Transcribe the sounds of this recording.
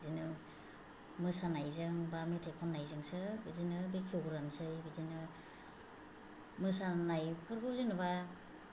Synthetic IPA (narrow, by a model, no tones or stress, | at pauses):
zinɯ | mɯsanajzɯŋbametʰajkʰɔnːajzɯŋsɯbɯzinɯbekʰiɡɾansɯjbɯzinɯ | mɯsanajpʰɯɾbɯzɯnɯba